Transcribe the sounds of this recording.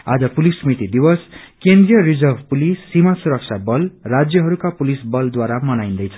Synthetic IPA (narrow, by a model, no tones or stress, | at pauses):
a̰d͡zʌpulisʌmit̪id̪iwʌskend̪rijʌrid͡zʌrbʱpulisːimasuɾʌkt͡sʰabʌlrad͡zjʌɦʌɾukapulisbʌld̪waɾamʌnaj̃nd̪ʌjt͡sʰʌ̥